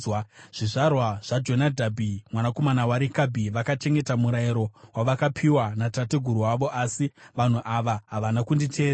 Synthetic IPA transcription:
wʐ̥iʐarwaʐ̥ad͡ʒo̞nadʱabʱimwanako̞manawaɾikabʱiʋakat͡ʃe̞ŋɡe̞tamuɾaiɾo̞waʋakapʰiwanatateɡʱuɾuwaʋo̞ʔasiʋan̤uʔaʋaɦaʋanakunditʰeːɾa

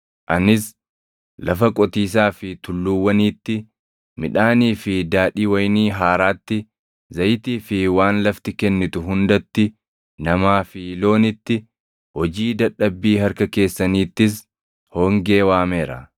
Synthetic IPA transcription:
ʔɐnɪs | lɐfɐkʼɔt̪iːs̬aːfɪt̪ʊlːuwːɐniːt̪ːɪ | mɪᶑaːniːfɪd̪aːᶑiːwɐjniːɦaːɾaːt̪ːɪ | zɐjt̪iːfɪwaːnlɐft̪ɪkɛnːɪt̪ʊɦʊnd̪ɐt̪ːɪ | nɐmaːfilo̞ːnɪt̪ːɪ | hɔd͡ʒiːd̪ɐɗːɐbːiːhɐɾkɐke̞ːsːɐniːt̪ːɪs | hɔːŋɡe̞ːwaːme̞ːɾɐ

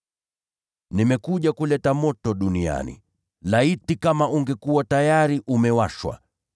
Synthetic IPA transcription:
nimɛkuʄakulɛtamɔtɔɗunia̰nḭ | laitikamaʔuŋɡɛkuwatajaɾiʔumɛwaʃwa̰

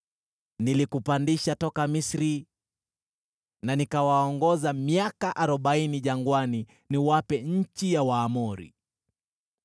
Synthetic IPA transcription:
nilikupandiʃatɔkamisɾi | nanikawaɔŋɡɔzamiakaʔaɾɔɓainiʄaŋɡwani | niwapɛɲ̩t͡ʃijawaːmɔɾḭ

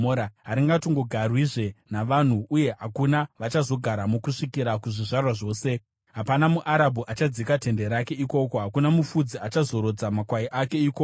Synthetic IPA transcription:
oɾaɦaɾiŋɡatiŋɡo̞ɡʱarwiʐe̞naʋan̤uuje̞ɦakunaʋat͡ʃazo̞ɡʱaɾamokuʂikiɾakuʐiʐarwaʐo̞ːse̞ | ɦapanamuʔaɾabʱuʔat͡ʃad͡zikate̞nde̞ɾake̞iko̞ko̞ɦakunamufud͡ziat͡ʃazo̞ɾo̞d͡zamakwaiʔake̞iːkok

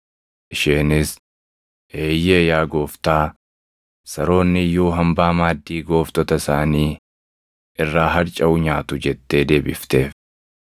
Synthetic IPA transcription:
ʔɪʃeːnɪs | ʔeːjːeːjaːɡo̞ːft̪aː | sɐɾo̞ːnːɪjo̞ːɦɐmbaːmaːd̪ːiːɡo̞ːft̪ɔt̪ɐsaːniː | ʔɪrːaːɦɐɾt͡ʃʼɐʊɲaːt̪ʊd͡ʒɛt̪ːe̞ːd̪e̞ːbɪft̪e̞ːf

